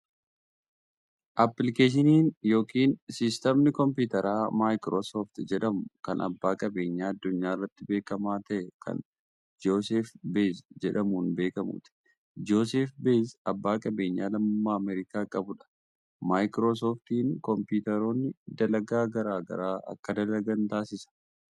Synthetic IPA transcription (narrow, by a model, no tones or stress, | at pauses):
ʔɐpːlɪkeːʃ̬ɪniːnjo̞ːkiːnsɪst̪ɐmnɪkɔmpuːt̪ɐɾʔaːmaːjkɾoːsoːft̪ɪd͡ʒɛᶑɐmʊkɐnʔɐ̰bːaːkʼɐbe̞ːɲːaːɐd̪ːʊɲːaːɪrːɐt̪ːɪbeːkɐmaːt̪ɐʔɛkʰɐ̰n | d͡ʒoːseːfbesd͡ʒɛᶑɐmuːnbe̞ːkɐmṵːt̪ɪ̥ | d͡ʒoːs̬eːfbeːsɐbːaːkʼɐbe̞ːɲːaːlɐmːaːɐmɛɾɪkaːkʼɐbʊᶑɐ̥ | maːjkɾo̞ːs̬oːft̪iːŋkɔmpiːt̪ɐɾo̞ːnːɪd̪ɐlɐɡaːɡɐɾaːɡɐ̰ɾaːʔɐ̰kːɐd̪ɐlɐɡɐnt̪aːsɪsɐ̥